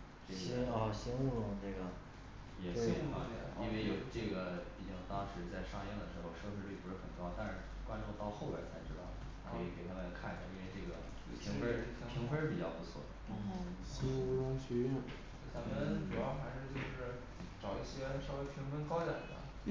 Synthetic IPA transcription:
ʈ͡ʂɡɛ˥˧ɕɛ˥nu˥ɻʊ˧˥ŋʈ͡ʂɤ˥˩ɡə˩ | jɛ˨˩˧u˨˥˩fɑ˥jɛ̰˥˩i˥nwe˥˩ɪjo˨˩ʊʈ͡ʂɤ˥˩ɡə˩pi˥˩t͡ɕi˥˩ŋ˩t̪ɑ˥ŋʂɻ̩˧˥t͡sa˥˧ɪʂɑ˥˧ŋjɛ˥˩nd̪ə˩ʂɻ̩˧˥xo˧ʊʂɤ˥˧fe˥˧ʈ͡ʂɻi˨˥pu˧˥ʂɻ̩˥˩xə˨˩nkɑ˥ʊt̪a˥˧nʂɻ̩˥˩kwa˥nʈ͡ʂu˥˧t̪ɑ˥˧ʊxo˥˩ʊlɛ̰˧˥t͡sʰa˧˥ɪʈ͡ʂɻ̩˥d̪ɑ˥˩ʊ | kʰɤ˧˥i˨˧˩ke˨˩ɪt̪ʰa˥˩wa˥˩˧kʰa˥˩n˩ə̰˨˩i˥nwe˥˧ɪʈ͡ʂɤ˥˩ɡə˩ | pʰi˧˥ŋfe˥ | p̪ʰi˧˥ŋfe˥pi˨˩t͡ɕjɑ˥˩ʊpu˧˥t͡sʰwɔ̰˨˩˦ | ɕɛ˥u˥ɻʊ˥ŋɕɥɛ˧˥ɥɛ˥˩n | e˥˩t̪ʰa˥mə˧˨nʈ͡ʂu˨˩ɑ˥˩ʊxa˧˥ɪʂɻ̩˥˧t͡ɕjo˥˧ʊʂɻ̩˥˩ | ʈ͡ʂɑ˨˩ʊi˥˩ɕi˥ɛ˥ʂɑ˥˧we˥˩ɪpʰi˧˥ŋfə˥nkɑ˥ʊja̰˨˥˩ə̰˧˩

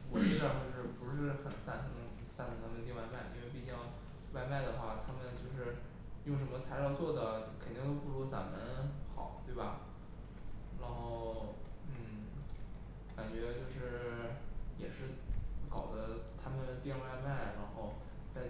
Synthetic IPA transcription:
wɔ˨˩i˥˧ʂɑ˥˧ŋt͡ɕjo˥˧ʊʂɻ̩˥˩pu˧˥ʂɻ̩˥˩xə˨˩nsa˥˧˩nt̪ʰŋ | sa˥˩nt̪ʰɤ˧˩t̪ʰa˥mə˧t̪̬jnwa˥˧ɪma˥˩ɪʔḭ˥nwe˥˩pi˨˩t͡ɕjɑ˥˧ʊ | wa˥˧ɪma˥˩ɪd̪ə˩xwa˥˩t̪ʰa˥mə˨nt͡ɕjo˥˧ʊʂ̬ɻ̩˥˧ | jʊ˥˩ŋʂ̬ə˧˥nmə˧t͡sʰa˧˥ɪɻɑ˥˧ʊt͡swɔ˥˩d̪ə˩kʰə˨˩nt̪i˥ŋt̪̬o˥ʊpu˥˩lɔ˧˥t͡sa̰˧˥˩nmə˦˧nxɑ̰˨˩˦t̪we˥˩bɐ˩ | ɻa˧˥nxo˥˩ʊn̩˥˩ | ka˨˩nt͡ɕɥɛ˧˥t͡ɕjo˥˧ʊʂɻ̩˥˩ | jɛ˨˩ʂɻ̩˥˩˥kɑ˨˩ʊd̪ə˦t̪ʰa˥mə˨nt̪jɛ˥˧nwa˥˧ma˥˩ɪ˨ɻa˧˥nxo˥˧ʊ | t͡sa˥˧ɪ

